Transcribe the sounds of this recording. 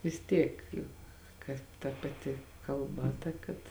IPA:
ʋʲɪs ˈtʲiɛk ˈjʊk ˈkɐt tɐ pɐˈtʲɪ kɐlˠˈbɐ ˈtɐ kɐt

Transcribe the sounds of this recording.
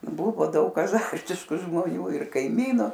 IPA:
ˈbʊʋoː ˈdɐʊk ɐˈzɐrʲtʲɪʃkʊ ʒmoːˈnʲuː ɪr kɐɪˈmʲiːnʊ

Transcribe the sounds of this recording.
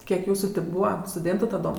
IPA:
ˈkʲiɛk ˈjuːsuː ˈtʲɪ ˈbuːʋɐ stʊˈdʲeːntʊ tɐˈdoːm

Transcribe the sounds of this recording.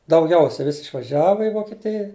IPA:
dɐʊˈɡʲɛʊsʲɛ ˈʋʲɪsʲ ɪʃʋɐˈʒʲæːʋɐ ɪ ʋoːkʲɛˈtʲɪjɛ

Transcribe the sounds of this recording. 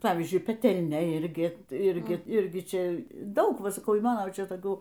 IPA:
ˈpɑːʋʲiːzʲd͡ʒʲʊɪ pʲɛˈtʲɛlʲnʲɛ ˈɪrʲɡʲɪ tɐɪ ˈɪrʲɡʲɪ ˈɪrʲɡʲɪ ˈt͡ʃʲɛ ˈdɐʊk ˈʋɐ sɐˈkɐʊ iː ˈmɑːnoː ˈt͡ʃʲɛ toːˈkʲuː

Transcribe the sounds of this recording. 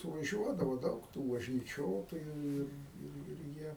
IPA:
sʊʋɐˈʒʲuɔdɐʋoː ˈdɐʊk tuː ʋɐʒʲnʲiːˈt͡ʃʲoːtoːjʊ ˈɪr ˈɪr ɪr ˈjiɛ

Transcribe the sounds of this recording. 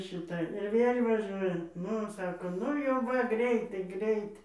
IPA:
ʃʲɪˈtɐ ɪr ˈʋʲeːlʲ ʋɐˈʒʲuɔjɛ ˈnʊ ˈsɑːkoː ˈnʊ jɛʊ ˈʋɐ ˈɡrʲɛɪtɐɪ ˈɡrʲɛɪt

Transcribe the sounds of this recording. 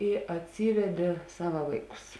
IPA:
ɪ ɐtʲˈsʲiːʋʲɛdʲeː ˈsɑːʋɐ ˈʋɐɪˌkʊs

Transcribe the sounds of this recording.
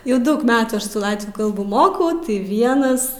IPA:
jɛʊ ˈdɐʊk ˈmʲæːtuː ˈɐʃ sʊ ˈlˠɑːtʲʋʲuː ˈkɐlˠbuː ˈmoːkɐʊ tɐɪ ˈʋʲiɛnɐs

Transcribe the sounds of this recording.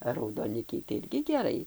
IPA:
ɐ rɐʊdoːˈnʲɪkʲɛɪ tɐɪ ˈɪrʲɡʲɪ ɡʲɛˈrɐɪ

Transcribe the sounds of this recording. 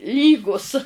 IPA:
ˈlʲiːɡuːs

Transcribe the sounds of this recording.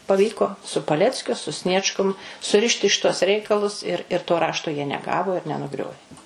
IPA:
pɐˈʋʲiːkoː sʊ pɐˈlʲæːt͡sʲkʲʊ sʊ ˈsʲnʲiɛt͡ʃkʊm sʊˈrʲɪʃʲtʲɪ ˈʃʲɪtuɔs ˈrʲɛɪkɐlˠʊs ɪr ɪr toː ˈrɑːʃtoː jiɛ nʲɛˈɡɑːʋoː ɪr nʲɛnʊˈɡrʲoːʋʲeː

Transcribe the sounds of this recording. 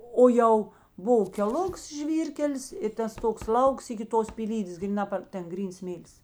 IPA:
ˈoː jɛʊ ˈboːʋɐ kʲɛˈlˠʊks ˈʒʲʋʲiːrʲkʲɛlʲɪs ɪ ˈtɐs ˈtoːks ˈlˠɐʊks ɪkʲɪ ˈtoːs pʲiːˈlʲiːdʲeːs ɡrʲiːˈnɐ pɐr ˈtʲɛn ˈɡrʲiːns ˈsʲmʲeːlʲɪs

